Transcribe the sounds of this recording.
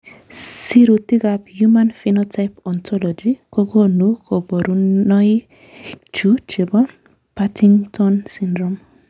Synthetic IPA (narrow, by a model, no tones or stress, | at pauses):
siɾut̪iɡapjumanfinɔtajpɔnt̪ʰɔlɔd͡ʒikɔɡɔnukɔbɔɾuɔi | t͡ʃut͡ʃebɔ | patʰiŋtʰɔnsindɾɔm